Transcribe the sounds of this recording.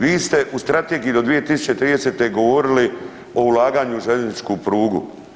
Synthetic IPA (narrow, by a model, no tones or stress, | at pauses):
ʋiːst̪e̞ʔust̪ɾat̪eːɡijid̪o̞d̪ʋije̞t̪isu̥t͡ɕe̞t̪ɾiːd̪eseːt̪e̞ɡo̞ʋoɾili | o̞ulˠaːɡaːɲuʒeʎeznit͡ʃkupɾuːɡṵ